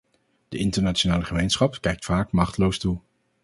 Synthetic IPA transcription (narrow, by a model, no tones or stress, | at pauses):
d̥əʔɪntəɹnaːt͡ʃonaːləχəmejnsχɑpkɛjk̚tfaːkmɑχtəlowstu